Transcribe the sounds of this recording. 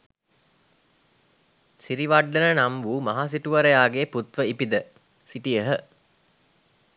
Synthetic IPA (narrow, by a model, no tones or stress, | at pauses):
siɾiʋaɖːənənamʋuːmɐɦaːs̬iʈuʋɐɾəjaːɡeːput̪ʋəipid̪ə | siʈijəɦə